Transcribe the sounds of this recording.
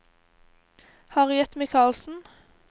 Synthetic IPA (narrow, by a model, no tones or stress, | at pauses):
hɑːʁjɛt̪mɪkʰɑːlsn̩